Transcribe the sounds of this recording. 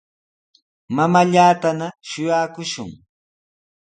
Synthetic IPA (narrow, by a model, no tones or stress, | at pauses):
mamaʎaːt̪anaʃʊjaːkʊʃʊ̰ŋ